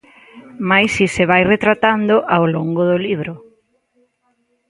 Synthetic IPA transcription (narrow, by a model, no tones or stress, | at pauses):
majsisɪβajret̪ɾat̪and̪ʊʔawloŋɡoðʊliβɾʊ